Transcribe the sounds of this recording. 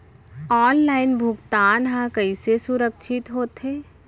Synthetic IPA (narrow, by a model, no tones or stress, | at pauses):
ɔːnlaːɪnbʱʊɡt̪aːnɦãkɐisesʊɾəkʃʰɪt̪ɦoːt̪ɦeː